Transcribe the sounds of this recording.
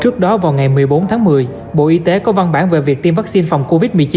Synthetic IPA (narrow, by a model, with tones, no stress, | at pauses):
t͡ɕɨ˦˥ək̚ɗɔ˨˦vaː˨˩wŋa˨˩jmɨ˨˩əjɓo˨˦nt̪ʰaː˨˦ŋmɨ˨˩əj | ɓo̰˧˨ʔi˨˧˦t̪e˨˦kɔ˨˦va˧nɓaː˧˩nve˨˩vi˨˩ək̚t̪i˧mvaː˦˥k̚si˧nfɔ˨˩wŋ͡mko˧vi˦˥t̚mɨ˨˩əjt͡ɕi˨˦